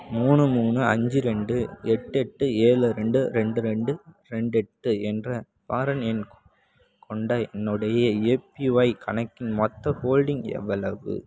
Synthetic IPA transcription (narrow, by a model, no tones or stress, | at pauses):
muːnɯmuːnɯɐɲd͡ʒɯɾɛɳɖɯɛʈːɯɛʈːɯeːɭɯɾɛɳɖɯɾɛɳɖɯɾɛɳɖɯɾɛɳɖɛʈːɯɛndrɐ | paːɾɐnɛnk | kʰɔɳɖaɛnːɯɽɐjɐeːpiʋɐɪkʰɐnɐkːɪnmɔt̪ːɐhoːlɖɪŋɛ̰ʋːɐɭɐʋɯ̰